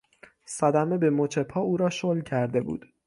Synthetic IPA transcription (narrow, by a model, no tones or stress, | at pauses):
sæd̪æme̞be̞mot͡ʃʰe̞pʰhɒːuːɾɒːʃolcʰæɾd̪e̞bṵːd̪̥